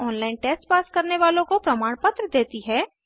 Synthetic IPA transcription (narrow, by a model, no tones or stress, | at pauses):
ɔːnlaːɪnʈeːsʈspaːskɐɾneʋaːlõkopɾɐmaːɽ̃pət̪ɾəd̪eːt̪iɦɛː